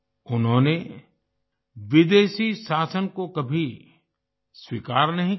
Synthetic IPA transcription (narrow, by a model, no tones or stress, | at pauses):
ʊnɦõːne | ʋɪd̪eːʃiʃaːsənkokɐbʱi | swikaːɾnɐɦĩ